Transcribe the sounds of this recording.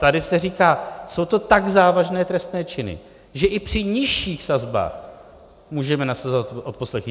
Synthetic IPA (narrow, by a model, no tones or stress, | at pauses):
t̪adɪsɛriːkaːso̞wt̪o̞t̪aɡzaːvaʒnɛːt̪ɾɛst̪nɛːt͡ʃɪnɪ̰ | ʒɛʔɪpr̥ɪɲɪʃiːxsazba̰ːx | muːʒɛmɛnasazoat̪ʔot̪̚po̞slɛx